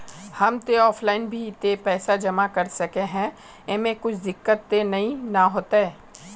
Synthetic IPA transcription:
hɐmt̪eɔːfʰlaːɪnbʱit̪epɛːsad͡ʒɐmakɐɾsɐkeɦɛ̃ | emẽkʊt͡ʃʰd̪ɪkːət̪ːenɐɦĩnaɦoːt̪aɛː

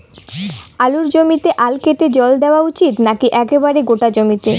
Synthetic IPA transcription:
aluɾd͡ʑomit̪eʔalkeʈed͡ʑɔld̪eoaut͡ɕit̪nakiʔɛkebaɾeɡoʈad͡ʑomit̪e

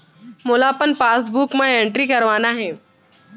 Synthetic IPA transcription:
molaːpənpaːs̬buːkmãeɳʈɾikɐɾʋaːnaɦɛː

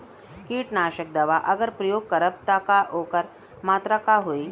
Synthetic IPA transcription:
kiːʈnaːɕək̚d̪aʋaʔəɡəɾpɾəjoɡ̚kəɾəp̚t̪akaʔokəɾ | mat̪ɾakaɦoi

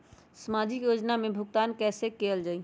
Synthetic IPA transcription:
səmad͡ʒikjod͡ʒnamebʱʊkt̪ankɛsekeld͡ʒaːi

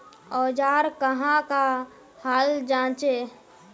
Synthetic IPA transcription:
ɔːd͡ʒaːɾkəɦãka | haːld͡ʒãːt͡ʃe

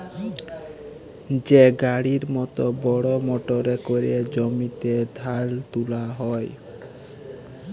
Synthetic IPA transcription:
d͡ʑeɡaɽiɾmɔt̪obɔɽomoʈoɾekoɾied͡ʒɔmit̪ed̪ʱalt̪ulaɦɔj

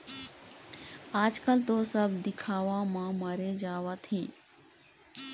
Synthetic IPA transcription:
aːd͡ʒkəlt̪osəbd̪ɪkʰaːʋãmãməɾed͡ʒaːʋat̪ʰĩː

